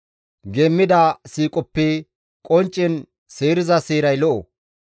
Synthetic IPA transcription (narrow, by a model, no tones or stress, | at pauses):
ɡeːmːɪd̪asiːkʼɔpːɛ | kʼɔnt͡ʃʼːɪn | seːɾɪzɐseːɾɐjlɔʔɔ̰